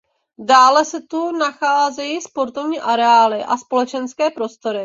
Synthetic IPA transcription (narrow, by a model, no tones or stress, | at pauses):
daːlɛsɛt̪unaxaːzɛjiːspo̞ɾt̪o̞vɲiːʔaɾɛaːlɪʔaspo̞lɛt͡ʃɛnskɛːpɾo̞st̪o̞ɾɪ